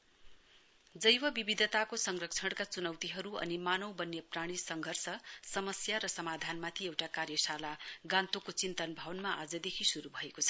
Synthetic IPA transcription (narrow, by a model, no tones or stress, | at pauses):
d͡zʌjwʌbibid̪ʱʌt̪akosʌŋrʌk̚t͡sʰʌɽkat͡sunʌwt̪iɦʌɾuʌ̰nimanʌwbʌnːjepraɽ̃isʌŋɡʱʌrsʌsʌmʌsjaɾʌsʌmad̪ʱanmat̪ʰiewʈakarjʌsalaɡãnt̪okot͡sint̪ʌnbʱʌwʌnmaʔad͡zʌd̪ekʰisuɾubʱʌekot͡sʰʌ̥